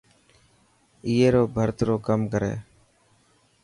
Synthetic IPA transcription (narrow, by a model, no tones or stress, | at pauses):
iːeːɾoːbʱəɾt̪ɾoːkəmkəɾḛː